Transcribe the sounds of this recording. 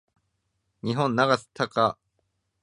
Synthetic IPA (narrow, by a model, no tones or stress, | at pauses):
ɲ̟iɦõ̞nːaɡasɨ̥t̪ʰaka